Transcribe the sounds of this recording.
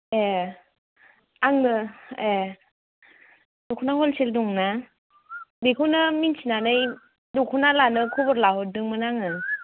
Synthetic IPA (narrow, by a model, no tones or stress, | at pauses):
e | aŋnɯe | dɔkʰunahɔlseldɔŋna | bikʰunɯminsinanɯj | dɔkʰunalanɯkʰubɔɾlaɦɔt̚dɯŋmɯnaŋɯ